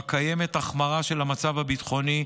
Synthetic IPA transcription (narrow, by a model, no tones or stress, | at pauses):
kaje̞me̞taχmaʁaʃe̞lamat͡savabit̪χo̞ni